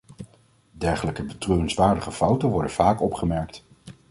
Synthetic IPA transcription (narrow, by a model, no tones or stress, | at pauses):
dɛɹχələkəbətrøːrənsʋaːɹdəχəfɑwtənʋɔɹdənv̥aːkɔpχəmɛɹkt